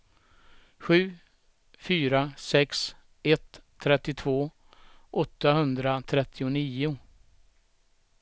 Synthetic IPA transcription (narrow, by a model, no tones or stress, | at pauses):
ɧʉ̟ː | fyːɾasɛks | ɛt̪ʰːɾɛt̪ːɪt̪ʰvoː | ʔɔt̪ːaɦɵnd̪ɾat̪ʰɾɛt̪ʰːɪʊniːʊ